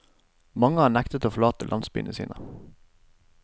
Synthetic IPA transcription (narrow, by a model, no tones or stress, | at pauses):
mɑŋəhɑːɳækt̪ət̪oːfɔɭɑːt̪əlɑ̰nsby̰ːnəsḭːnʔə